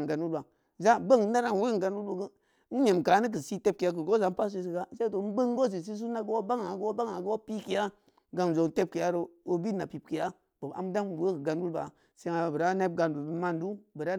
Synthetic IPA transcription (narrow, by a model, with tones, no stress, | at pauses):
ɡa˨nwu˦lba˨ | za˦bə˦˨ŋ̩˦na˦ɾa˦n˨we˦˨ɡa˨n˦wu˦lbo˨ɡə˦ | n̩˦ɲe˨mka˨˦ni˦k̬i˨si˦te˦p̚ki˨a˦k̬ə˨ɡo˦za˨˦m̩˦pa˦s̬i˦s̬i˨ka˦se˦i˦o˨n̩˦bə˦ŋ˦ɡo˦s̬i˨s̬i˦s̬u˦na˦ɡu˦wa˦ba˦ŋa˨ɡwa˦ba˦ŋa˨ɡu˦wa˦pi˦ki˨ja˦ | ɡa˨n˨zo˨te˦p̚ki˨ja˦ɾo˨o˦bi˦na˨pi˨p̚ki˨ja˦ | bo˨a̰˨m˦da˦ŋ˨we˦ki˨ɡa˨nwu˦lba̰˨ | se˦ŋa˨bə˨ɾa˦ne˦b̚ɡa˨ndu˨bi˦ma˦˨ndu˦bə˨ɾa˦